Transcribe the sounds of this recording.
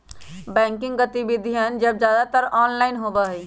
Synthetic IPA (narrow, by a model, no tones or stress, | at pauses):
bɛ̃ːŋkɪ̃ŋɡɡət̪ibid̪ʱiɦənd͡ʒəb̚d͡ʒjaːd̪at̪əɾɔːnlaːɪnɦoːbəɦi